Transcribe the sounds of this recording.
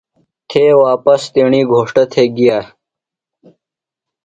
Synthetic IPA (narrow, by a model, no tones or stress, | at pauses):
t̪ʰeːwaːpɐst̪eːɳiːɡʱoːʂʈɐt̪ʰeːɡijaː